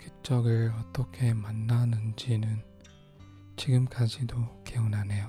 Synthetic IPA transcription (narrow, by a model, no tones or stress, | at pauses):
kit͡ɕ͈ʌɡɯɭʌt͈ʌkʰe̞manːanɯnd͡ʑinɯn | t͡ɕiɡɯmk͈ad͡ʑidoke̞unanejo